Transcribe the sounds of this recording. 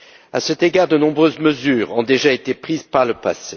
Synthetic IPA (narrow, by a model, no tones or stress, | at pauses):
a̰sɛt̪eɡaʁd̪ənɔ̃bʁøzməzyːʁɔ̃d̪eʒaet̪epχizpaʁləpase